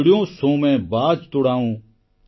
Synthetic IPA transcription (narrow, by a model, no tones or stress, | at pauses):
ɽɪjõːsõːmɛ̃ːbaːd͡ʒt̪ʊɽaːũː